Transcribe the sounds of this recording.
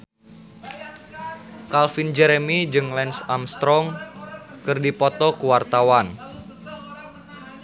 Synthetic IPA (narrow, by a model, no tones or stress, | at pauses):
kalfind͡ʒɛɾemid͡ʒɨŋlɛnsamst̪ɾɔŋkɨrdipɔt̪ɔkəwart̪awan